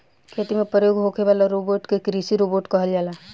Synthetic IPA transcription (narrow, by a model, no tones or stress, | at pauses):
kʰeːt̪imẽpɾəjoːɡɦokʰeʋaːlaɾoboːʈkekɾisiɾoboʈkɐɦəld͡ʒaːlaː